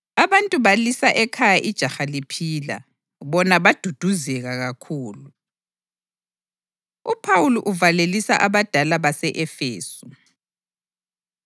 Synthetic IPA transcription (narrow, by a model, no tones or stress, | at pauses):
aβantʼuβalisaʔɛkʰajaʔid̥ʒ̥ʱaxalipʰiːla̰ | βɔnaβad̥ʱud̥ʱuzɛɣaɣakʰuːlu | upʰawuluʔuvalelisaʔaβad̥ʱalaβasɛʔɛfeːsu